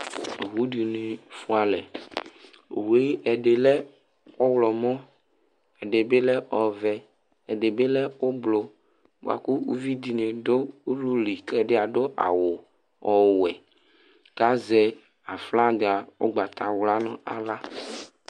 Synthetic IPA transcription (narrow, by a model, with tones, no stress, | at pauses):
o˨wu˦di˨ne˨fu˦a˨lɛ˨ | we˦ʔɛ˨ɖe˨lɛ˦ | o˦wlɔ˨mɔ̃˦ | ɛ˨ɖe˨be˦lɛ˦ʔɔ˨vɛ˨ | ɛ˨de˨be˦lɛ˦wo˦blo˨ | bo̰˨a̰˨ku˦u˦vi˦d̪i˨ne˨do˦u˦lu˦li˨klɛ˦ɖɪ˦a˨do˦ʔa̰˨wʊ˨ | ɔ˨wɛ˨ | ka˦zɛ˨ | a˨fla˦dɪ˨a˨wo̰˦ɡ͡ba˨t̪ʰa˨wla˦nɔ̃˦a̰˨la˦